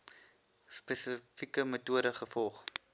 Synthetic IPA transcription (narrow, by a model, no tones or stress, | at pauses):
spɛsəfikəmətuəɾəχəfɔlˠχ